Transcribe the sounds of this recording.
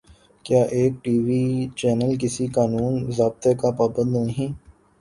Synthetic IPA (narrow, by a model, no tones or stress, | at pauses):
kjaːʔeːk̚ʈiːʋiːt͡ʃɛːnəlk̬ɪsikaːnuːnzaːb̚t̪ekapaːbə̃nd̪nɐɦĩː